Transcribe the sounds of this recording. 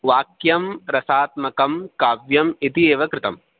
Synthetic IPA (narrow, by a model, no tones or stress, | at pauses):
ʋaːkjɐmɾɐsaːt̪̚mɐkɐmkaːʋjɐmit̪ieːʋɐkɾɪt̪ɐ̰m